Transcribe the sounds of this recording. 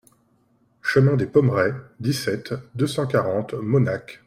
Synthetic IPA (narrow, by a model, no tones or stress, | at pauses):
ʃəmɛ̃d̪epɔmʁɛd̪isɛt̪d̪øsɑ̃kaʁɑ̃t̪mɔnak